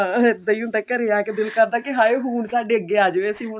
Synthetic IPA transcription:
ãːɪd̪əiũnd̪aːkəɾeaːkɪd̪ɪlkəɾd̪aːkɪɦaːeːɦuːɳsaːɖeːəɡːeːaːd͡ʒəʋeːəsĩːmʊ

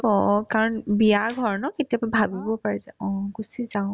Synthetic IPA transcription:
ɔ̃kaɹɔnbiaɡʱɔɹnɔketiapbʱabibɔpaɹɛzaɔ̃ɡusizaʊ̃

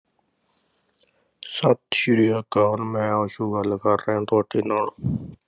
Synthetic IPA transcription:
sət̪ʃiɾijaːkaːnmẽːoːʃuːɡəlkəɾːẽːt̪oːʈʰiːnãː

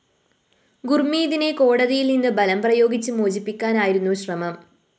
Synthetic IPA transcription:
ɡurmiːðine̞ko̞ːɽɐðijilninːɨbɐlɐmprɐjo̞ːɡit͡ɕːɨmoːd͡ʑipːikʲːaːnaːjiɾunːuɕrɐmɐm

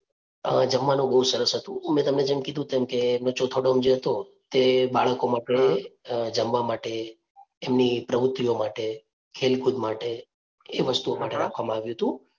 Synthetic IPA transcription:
əd͡ʒəmːanũbəɦusəɾəsɦət̪ũmɛ̃t̪əmned͡ʒemkid̪ʱũt̪emkeːmnot͡ʃot̪ʰoɽomd͡ʒeɦət̪o | t̪ebaɭəkomaʈed͡ʒəmʋamaʈeː | mnipɾəʋʊt̪ːiomaʈe | kʰelkud̪maʈeː | ʋəst̪uomaʈeɾakʰʋamãaʋjuɦət̪ũ

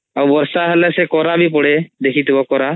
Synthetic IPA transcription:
awbɔɾsaɦɛlɛsɛkɔɾabip̬ɔɽed̪ekʰit̪ibɔkɔɾa

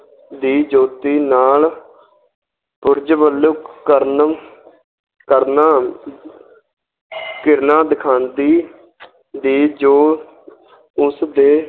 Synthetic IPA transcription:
d̪iːd͡ʒoːt̪iːnaːl | pʊɾd͡ʒbəlːukkəɾn | kəɾnaː | kɪɾnãːd̪ɪkʰãːnd̪iː | d̪iːd͡ʒoː | ʊsd̪eː

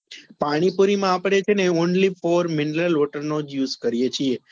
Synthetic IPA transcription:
paɽ̃ipuɾimãapɽet͡ʃʰeneonlifoɾmɪnɾəlɔʈəɾnod͡ʒjuzkəɾijet͡ʃʰie

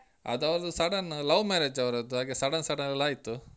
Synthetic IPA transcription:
ɐ̰d̪ɐʋɾɐd̪usɐɽɐnlɐʋmeːɾed͡ʒɐʋɾɐd̪uɦaːɡesɐɽɐnsɐɽɐnɐlːaːjit̪ːu

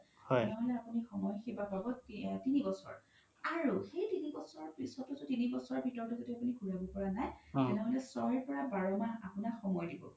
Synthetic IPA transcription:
hɛnɛɦɔlɛapunixɔmɔjxebapabɔtinibɔsɔ̰ɹ | aɹuxejtinibɔsɔɹpisɔtɔtʊtinibɔsɔɹɔɹbʱitɔɹdɔzetiapuniɡʱuɹabɔpɔɹanajtɛnɛɦɔlɛsɔɹɛɹpɔɹabaɹɔmanapunakxɔmɔjdibɔ̰

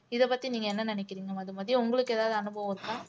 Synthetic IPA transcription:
ɪðɛpɐt̪ːiniːŋɡɐɛnːɐnɪnɛkːɪɾiːŋɡɐmɐðɯmaːðɾiʊŋɡɐɭɯkːeːðaːʋðɯɐnɯbɐʋɐɐɾɯkːaː

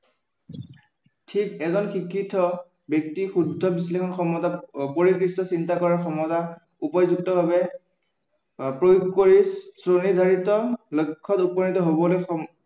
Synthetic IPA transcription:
tʰikɛzɔnxikʰːitʰɔ | bjek̚tixudʱːɔbislekʰɔnxɔmɔtapoɹikɹistɔsintakɔɹaɹxɔmɔta | upɔzuk̚tɔbʱabɛ | pɹojuɡkoɹisɹonidʱaɹitɔlojkʰːɔtupɔnitɔɦobɔlojxɔ

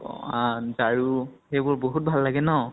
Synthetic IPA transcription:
ataɹuxejbʊɹboɦut̚bʱalːaɡɛnɔ

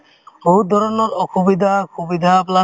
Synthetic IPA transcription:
boɦut̪̚d̪ʱɔɾɔnɔɾɔxubid̪ʱakʰubid̪ʱapla

